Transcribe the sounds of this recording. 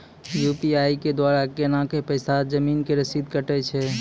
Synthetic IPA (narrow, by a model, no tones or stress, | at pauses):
jupiaiked̪waɾakenãkepəɪsad͡ʒəminkeɾəsid̪kəʈɛt͡ʃʰɛ